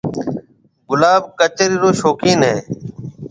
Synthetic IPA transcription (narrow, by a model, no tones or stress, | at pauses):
ɡʊlaːbkət͡ʃəɾiːɾoːʃoːkiːnɦḛː